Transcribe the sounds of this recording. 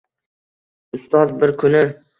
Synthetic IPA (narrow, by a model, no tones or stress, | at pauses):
ʊst̪ɒzbɪɾkʰʊnɪ